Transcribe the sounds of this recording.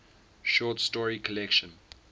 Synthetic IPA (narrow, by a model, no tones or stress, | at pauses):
ʃɔːˑtstɔɹikʰəlɛkʃə̃n